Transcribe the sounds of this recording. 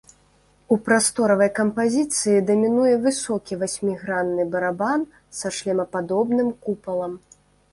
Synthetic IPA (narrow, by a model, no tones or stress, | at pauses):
upɾast̪ɔɾɐvɐjkɐmpazʲit̪sɨjid̪ɐmʲinujɛvɨsɔkʲivasʲmʲiɣɾanːɨbɐɾaban | saʂlʲɛmɐpad̪ɔbnɨmkupɐlˠɐm